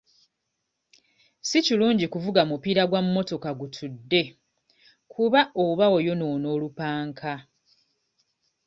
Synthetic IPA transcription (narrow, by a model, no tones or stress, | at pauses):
siciluːɲɟikuvuɡamupiːɾaɡwamumo̞to̞kaɡutʰudːe̞ | kʰuβaoβao̞jo̞no̞no̞ːlupaːŋkʰa